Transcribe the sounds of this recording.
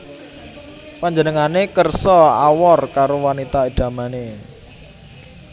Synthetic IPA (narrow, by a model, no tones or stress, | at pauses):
paɲd͡ʒənəŋanekərsɔa̰wɔrkaɾowanit̪aeɖ̥a̤mane